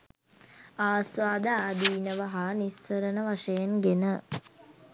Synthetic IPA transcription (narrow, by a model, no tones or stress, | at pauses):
aːsʋaːd̪əaːd̪iːnəʋəɦaːnishəɾənəʋaʂəjenɡenə